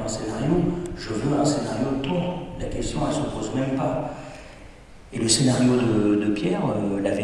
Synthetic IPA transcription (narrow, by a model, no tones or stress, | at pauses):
ɛ̃senaʁjoʒəvøɛ̃senaʁjot̪ɔ̃lakʲɛst̪jɔ̃ɛlsəpozmɛmpa | eləsenaʁjod̪əd̪əpjɛʁølave